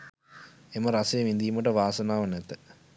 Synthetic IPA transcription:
emɐɾɐsɐjɐmind̪ijumɐʈːəʋaːsɐnaːʋɐnɛt̪ːə

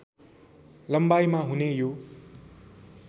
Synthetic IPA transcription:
lʌmbajmaɦunejo

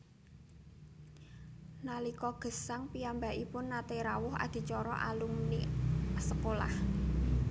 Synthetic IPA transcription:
nalikɔɡ̥ə̤saŋpiambaʔipʊnːat̪eɾawʊɦa̰d̪̥i̤t͡ʃɔɾɔ̰ʔalumnisəkola̰h

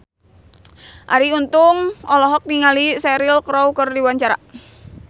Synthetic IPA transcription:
ʔa̰ɾiunt̪ʊŋɔlɔɦɔk̚niŋalisɛɾilkɾɔwkərdiwaɲt͡ʃaɾa̰

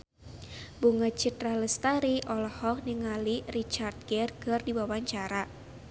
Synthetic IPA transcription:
buŋət͡ʃit̪raləst̪aɾiʔɔlɔhɔk̚niŋalirit͡ʃard̪̚ɡɛrkərdiwawaɲt͡ʃaɾa

